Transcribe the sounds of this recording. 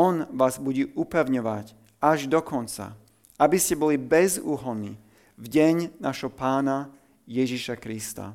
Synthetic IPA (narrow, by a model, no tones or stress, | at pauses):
ɔnʋaːzbuɟiʔupɛʊɲɔʋac | aʒd̪ɔkɔnt͡sa̰ | abiscɛbɔlibɛzuːɦɔnḭː | vɟɛɲnaːʃɦɔpaːna | jɛʒiʃakɾist̪a̰